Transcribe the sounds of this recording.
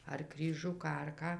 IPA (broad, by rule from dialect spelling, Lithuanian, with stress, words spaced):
ɐr krʲiːˈʒʲʊkɑː ɐr ˈkɑː